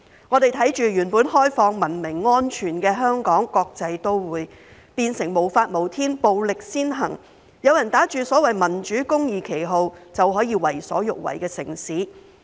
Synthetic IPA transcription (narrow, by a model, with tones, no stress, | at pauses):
ŋɔː˨˧t̪e˨jt̪ʰɐ˨˥jt͡ʃyː˨ɥyː˨˩npuː˨˥nhɔː˥jfɔː˧ŋmɐ˨˩nmɪ˨˩ŋːɔː˥nt͡ʃʰyː˨˩nkɛː˧ɦœː˥ŋkɔː˨˥ŋkɔː˧k̚t͡sɐ˧jt̪o˥wwuː˨˥j | piː˧nsɪ˨˩ŋmo˨˩wfaː˧t̚mo˨˩wt̪ʰiː˥npo˨wlɪ˨k̚siː˥nɦɐ̰˨˩ŋ | jɐ˨˧wjɐ˨˩nt̪aː˨˥t͡ʃyː˨sɔː˨˥wɐ˨jmɐ˨˩nt͡ʃyː˨˥kʊ˥ŋjiː˨kʰe˨˩jɦo˨˧wt͡sɐ˨wɦɔː˨˥jiː˧wɐ˨˩jsɔ̰ː˨˥jʊ˨k̚wɐ̰˨˩jkɛː˧sɪ˨˩ŋsiː˨˥